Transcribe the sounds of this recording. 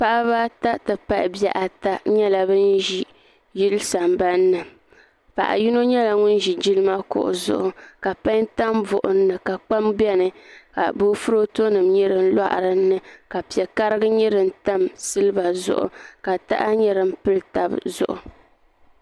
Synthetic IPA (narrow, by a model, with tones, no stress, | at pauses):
pa˦ʔa˦βa˦ta˦tɨ˨pa˦ʔbjɛ˦ʔa˨ta˦ɲɛ˦la˨bɨ˦n˦ʒi˦ | ji˦lsa˨mba˦nːɨ˨ | pa̰˨ʔa̰˨ju˦no˦ɲɛ˦la˨ŋʊ˦n˦ʒi˨d͡ʒi˦lɨ˦ma˦kʊ̰˨ʔʊ̰˨zʊ̰˨ʔʊ˨ka˨pa˦nta˦mvʊ˨ʔʊ˨nː˦ɨ˨ka˨k͡pa˦mbɛ˦nɨ˨ka̰˨bo˦fu˦ɾo˦to˦nɨ˨mɲɛ˦ɾɨ˦n̩˦la̰˦ʔɾɨ˦nːɨ˦ka˨pi˨ɛ˨ka˦ɾɨ˦ɡɨ˦ɲɛ˦ɾɨ˨n̩˦ta˦msɨ˦lɨ˦ba˨zʊ̰˦ʔʊ̰˨ka˨ta̰˦ʔa˦ɲɛ˦ɾɨ˦m˦pɨ˦lta˨bzʊ̰˨ʔʊ˨